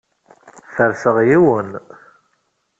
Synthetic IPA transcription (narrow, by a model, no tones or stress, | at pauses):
θəɾsəʁjiwən